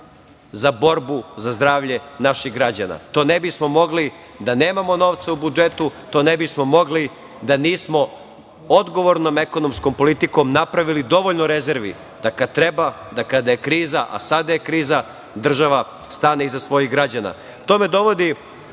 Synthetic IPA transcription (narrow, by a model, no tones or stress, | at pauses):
zabo̞ɾbuzazd̪ɾaːʋʎe̞naʃiɣɡɾad͡ʑana̰t̪o̞ːnebismo̞mo̞ɡli | d̪ane̞ːmamo̞no̞ːʋt̪saubud͡ʒet̪ut̪o̞ːnebismo̞mo̞ɡli | d̪aniːsmo̞ | od̪ɡo̞ʋoɾno̞meko̞nomskompo̞lit̪iko̞mnapɾaʋilid̪o̞ʋoʎnoɾeze̞ɾʋḭ | d̪̥akat̪ɾe̞ba | d̪akad̪ajekɾiːzaʔa̰sad̪ajekɾiːza | d̪r̩ʒaʋa | st̪aːneizasʋo̞jiɣɡɾad͡ʑana̰ | t̪o̞me̞d̪o̞ʋo̞d̪i